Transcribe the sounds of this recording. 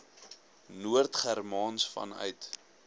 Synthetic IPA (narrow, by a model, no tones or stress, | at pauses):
nuərtχærmɑːnsfɐ̰nœ̰ɥt